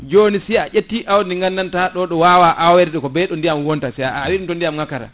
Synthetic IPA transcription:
d͡ʒonisiaʔetːiʔawniŋɡanːantaɗɔɗɔwawaʔawɛɾɗɛkɔbɛɗɔndijamwɔntasɛawiɗimtɔndijamŋakaɾa̰

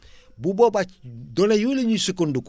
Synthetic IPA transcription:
bubobat͡ʃdolejuleɲusukunduk

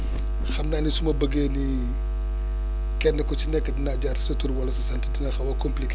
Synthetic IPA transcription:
xɐmnaːnisumɐbəɡeni | kɛnːɐkɔt͡ʃinɛkːədinaɟarti̥sɐtuɾwɐlɐsɐsɐntitinɐxɐwɐkɔmplik

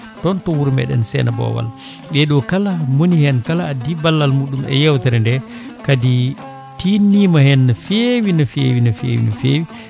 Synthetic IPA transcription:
tɔntɔwuɾmɛ̰ɗɛ̰nsɛ̰nabɔ̰wa̰l | ɓɛɗɔkalamonihɛnkalaːdibalːalmuɗumɛ̰jɛwtaɾɛndɛkadi | tinːimahɛnːafewinafewinafḛːwḭnafewi

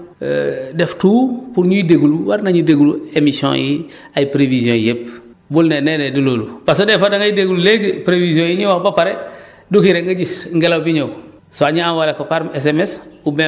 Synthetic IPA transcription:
deftuːpuɾɲuideɡuluwaɾnaɲudeɡuluemisiõ̰ːji | ajpɾevizjõːjep | bulnenenediloːlupasodefadaŋajideɡululeɡepɾevizijõːjiɲiwahbapaɾe | dukiɾeŋɡaɟisŋɡelawbiɲow | soaɲiawalekopaɾmes̬emesube

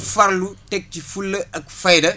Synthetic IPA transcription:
fɐɾlutɛk̚tifulːɐʔɐk̚fɐjdɐ

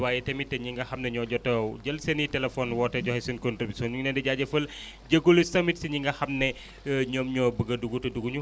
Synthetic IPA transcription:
waːjɛtɐmitːɐɲiŋɡɐhɐmnɐɲɔɟɔtɐɟɐlsɐnitɛlɛfɔːnwɔːtːɐɟɔhɛsinkontribisɔnɲuŋnɛndɛɟaːɟɐfɐl | ɟɐɡulusɐmitsiɲiŋɡɐhɐmnɛ | ɲoːmɲɔːbəɡɐduɡutɐduɡuɲu

